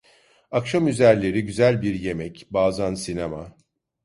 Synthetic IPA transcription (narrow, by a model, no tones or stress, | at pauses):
akʃamyzæɾlʲe̞ɾiɟyzælʲbiɾje̞mɛcbaːzansinema